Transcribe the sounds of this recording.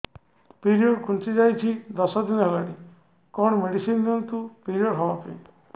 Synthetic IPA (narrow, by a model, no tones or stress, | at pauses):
piɾiɔɽkʰunsid͡ʒajt͡ʃʰid̪ɔsɔd̪inalaɽi | kɔnɔmeɽisind̪int̪upiɾiɔɽɦɔbapḛ